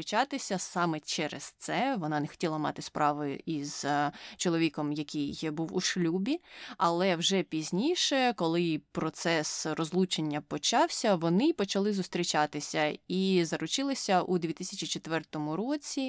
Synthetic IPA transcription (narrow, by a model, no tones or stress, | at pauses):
ɾit͡ʃɑt̪ɪsʲɐsɑmɛt͡ʃɛɾɛst̪sɛʋɔnɑnɛxɔ̥tʲilˠɐmɑ̰t̪ɪspɾʔɑʋʊjʊ̰ʔiz̥t͡ʃɔlˠɔʋʲikɔmjɐkʲijjbuwuʃlʲubʲiɐlˠɛwʒɛpʲizʲnʲiʃɛkɔlˠɪpɾɔt̪sɛsrɔzlˠut͡ʃenʲːɐpɔt͡ʃɑwsʲɐʋɔnɪpɔt͡ʃɐlˠɪzʊst̪ɾʲit͡ʃɑt̪ɪsʲɐizɐɾʊt͡ʃɪlˠɪsʲɐʔud̪ʲʋʲit̪ɪsʲɐt͡ʃʲit͡ʃet̪ʋɛrt̪ɔmʊɾɔt͡sʲi